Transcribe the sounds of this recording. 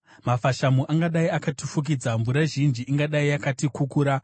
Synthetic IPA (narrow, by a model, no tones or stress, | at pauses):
mafaʃamuʔaŋɡaɗaiakatifuk̬id͡zaɱvuɾaʒind͡ʒiʔːŋɡaɗaiakatikukuːɾa